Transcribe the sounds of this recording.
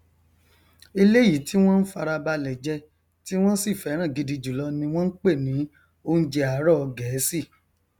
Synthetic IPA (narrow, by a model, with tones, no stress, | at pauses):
i˧le˦ji˨tʰi˦w̃ɔ̃˦n̩˦fa˧ɾa˧ba˧lɛ˨d͡ʒɛ˧˦ | ti˦w̃ɔ̃˦si˦˨fɛ˨˦ɾ̃ã˦˨ɡi˧di˧d͡ʒu˨lɔ˧nĩ˧w̃ɔ̃˦n̩˦k͡pe˦˨nĩ˨˦ | o˦n̩˦d͡ʒe˧a˨˦ɾɔ˦ɔ˧ɡɛ˨˦si˦˨